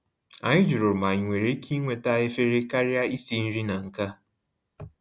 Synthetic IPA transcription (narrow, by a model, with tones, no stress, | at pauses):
a̰˨ɲɪ˦d͡ʒu˨ɾo˨ma˨ɲɪ˨ŋʷe˨ɾe˦kʰi˦ŋʷe˨ta˦˨e˦fe˦ɾe˦ka˦ɾja˦i˦si˦n̩˦ɾi˦na˨ŋ̩˨ka˦